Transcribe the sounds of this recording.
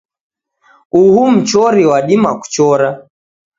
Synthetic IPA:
uhum̩t͡ʃɔɾiwaɗimaku̥t͡ʃɔɾa

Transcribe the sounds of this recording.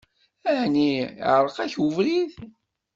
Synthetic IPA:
æhniʕɾˤəqæçuvlið

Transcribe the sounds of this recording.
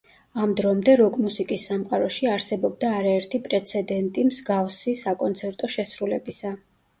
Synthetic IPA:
amd̪ɾɔmd̪ɛɾɔkʼmusikʼisːamqʼaɾɔʃiaɾsɛbɔb̚d̪aːɾaɛɾt̪ʰipʼɾɛt̪sʰɛd̪ɛnt̪ʼimzɡafsisakʼɔnt̪sʰɛɾt̪ʼɔʃɛsɾulɛbisa

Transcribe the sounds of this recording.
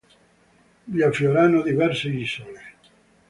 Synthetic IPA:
ʎiafjoɾanːod̪ivɛrseiːsole

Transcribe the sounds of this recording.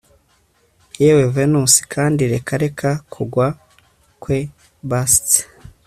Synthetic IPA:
jewevenusi̥kʰaːndiɾe̞kʰaɾe̞kʰakʰuɡwa | kwe | bast

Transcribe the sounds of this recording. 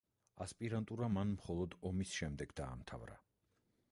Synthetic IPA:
aspʼiɾant̪ʼuɾamanmχɔlˠɔd̪ɔmisʃɛmd̪ɛɡd̪a̰ːmt̪ʰa̰vɾa̰

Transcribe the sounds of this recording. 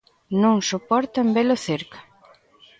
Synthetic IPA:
nõŋsopɔɾt̪ambelʊθeɾkḁ

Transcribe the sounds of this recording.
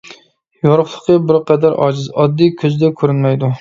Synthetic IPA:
joɾʊχlˠəqəbɪɾqʰɛd̪æɾʔɑ̰ːd͡ʒɪzɑd̪ːikʲʰøzd̪ɛkʲʰøɾynmɛjd̪u

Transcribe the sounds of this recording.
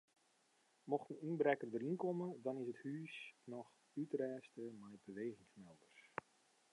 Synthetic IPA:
mɔxtən̩əinbrɛkərdərinkomədɔnɪsəthyːsnɔx | ytrɛːstəmɛjbəʋeːɣɪŋsmɛldərs

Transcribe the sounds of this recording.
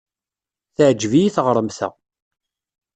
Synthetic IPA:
θəʕd͡ʒvijiθʁɾˤəmθæ̰

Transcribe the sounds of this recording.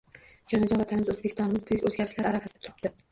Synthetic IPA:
d͡ʒɒnad͡ʒɒvat̪ʰanɪmɪzɵzbekʲɪ̥st̪ɒnɪmɪzbʊjɪkʲɵzɡʲaɾɪʃlaɾaɾafasɪd̪at̪ʰʊɾɪp̚d̪ɪ

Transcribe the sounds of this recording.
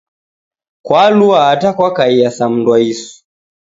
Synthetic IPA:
kwaluaːtakwakaijasam̩ndwaisu̥

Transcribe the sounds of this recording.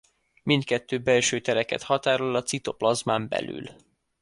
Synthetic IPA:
mint̪̚kɛt̪ːøːbɛlʃøːt̪ɛɾɛkɛ̰t̪hɒt̪aːɾolɒt̪sit̪o̞plɒzmaːmbɛ̰ly̰l

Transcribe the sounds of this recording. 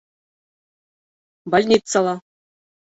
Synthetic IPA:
bolʲnʲit̪sɑlˠɑ

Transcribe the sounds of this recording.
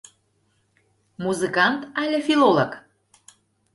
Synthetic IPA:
muzɨkɑnt̪ælʲĕfilolok

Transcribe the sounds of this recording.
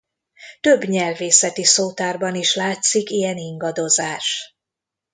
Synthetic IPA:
t̪ø̞bɲɛlveːsɛt̪isoːt̪aːrbɒniʃlaːt̪sikijɛniŋɡɒd̪o̞zaːʃ

